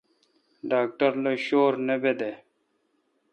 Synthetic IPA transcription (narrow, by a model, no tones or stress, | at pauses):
ɖaːk̚ʈɐɾloɕoːɾnebed̪e